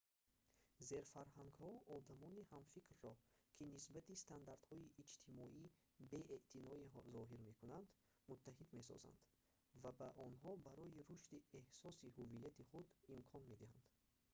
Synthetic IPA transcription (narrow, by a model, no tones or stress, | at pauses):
ze̞ɾfaɾɦaŋɡhɔɔd̪amɔnihamfikɾːɔkʰinisbat̪ist̪and̪aɾd̪hɔiʔːt͡ʃt̪ʰimɔʔi | be̞eʔt̪ʰinɔiɦɔzɔɦiɾme̞kʰunand̪ | mut̪ʰːaɦid̪me̞s̬ɔ̰za̰nd̪̥ | vabaʔɔnɦɔbaɾɔiɾuʃt̪iehsɔsihuvijːat̪ʰiχud̪imkʰɔnme̞d̪ihand̪̥